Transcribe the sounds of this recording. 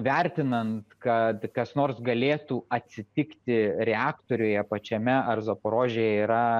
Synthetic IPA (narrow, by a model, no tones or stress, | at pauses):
ʋʲɛɾʲt̪ʲɪnɐnt̪kɐt̪kɐsnoːrsɡɐlʲeːt̪uːɐt̪ʲsʲɪt̪ʲɪkt̪ʲɪɾʲɛɑːkt̪oɾʲʊːjɛpɐt͡ʃʲɛmʲɛɐrzopoɾoːʒʲejɛiːɾɐ